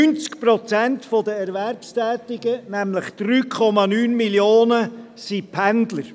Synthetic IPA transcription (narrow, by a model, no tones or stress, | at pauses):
ynt͡skpɾɔt͡sæntfɔdəɛɾværpstɛːtɪɡənæmləχd̥ɾyːkʰɔmɑnyːnmiljoːnə | sipʰændləɾ